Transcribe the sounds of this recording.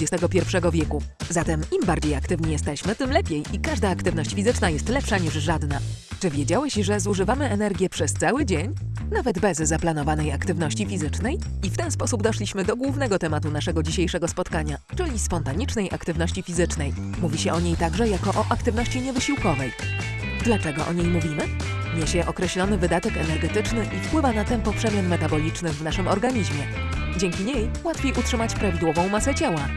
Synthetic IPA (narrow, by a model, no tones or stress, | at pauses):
d͡ʑɛst̪ɛɡɔpʲjɛɾfʂɛɡɔvʲjɛkuzat̪ɛmimbaɾd͡ʑejakt̪ɘvɲijɛst̪ɛɕmɘt̪ɘmlɛpʲjejʔikaʐd̪aːkt̪ɘvnɔɕt͡ɕfʲizɘt͡ʂnajɛst̪lɛpʂaɲiʐʐad̪nat͡ʂɘvʲjed͡ʑawɛɕʐɛzuʐɘvamɘɛnɛɾɡʲjɛpʂɛst̪sawɘd͡ʑeɲ | navɛd̪bɛzːaplanɔvanɛjakt̪ɘvnɔɕt͡ɕifʲizɘt͡ʂnɛjift̪ɛnspɔsubd̪ɔʂlʲiɕmɘd̪ɔɡwuvnɛɡɔt̪ɛmat̪unaʂɛɡɔd͡ʑiɕejʂɛɡɔspɔt̪kaɲat͡ʂɘlʲispɔnt̪aɲit͡ʂnɛjʔa̰kt̪ɘvnɔɕt͡ɕifʲizɘt͡ʂnɛjmuvʲiɕɛʔɔɲejt̪aɡʐɛjakɔʔɔʔakt̪ɘvnɔɕt͡ɕiɲɛvɘɕiwkɔvɛjd̪lat͡ʂɛɡɔʔɔ̰ɲejmuvʲimɘ | ɲɛɕɛʔɔkɾɛɕlɔnɘvɘd̪at̪ɛkɛnɛɾɡɛt̪ɘt͡ʂnɘʔifpwɘvanat̪ɛnpɔpʂɛmʲjanmɛt̪abɔlʲit͡ʂnɘvnaʂɘmɔɾɡaɲiʑmʲjɛ | d͡ʑɛŋkʲiɲej | wat̪fʲjejʔutʂɘmat͡ɕpɾavʲid̪wɔvɔ̃w̃masɛt͡ɕawa